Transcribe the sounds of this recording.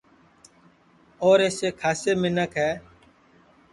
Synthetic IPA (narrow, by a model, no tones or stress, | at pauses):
oːɾeːseːkʰaːseːmɪnəkʰɦɛː